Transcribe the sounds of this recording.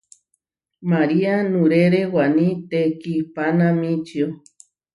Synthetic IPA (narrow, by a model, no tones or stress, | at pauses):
maɾianũɾeɾewanĩt̪ekipanãmĩt͡ʃio